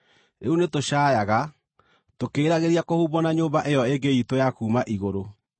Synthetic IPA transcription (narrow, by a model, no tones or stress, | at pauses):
ɾeunetoɕaːjaɣa | tokeːɾaɣeɾiakohuːbɔnaɲoːmbaʔejɔeŋɡeitojakuːmaʔiɣoɾo